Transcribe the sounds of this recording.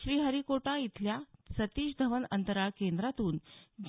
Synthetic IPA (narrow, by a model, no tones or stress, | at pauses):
ɕɾiːɦəɾikoʈãit̪ʰljasət̪iːɕd̪ʱəʋənənt̪əɾakend̪ɾat̪uːnd͡ʑ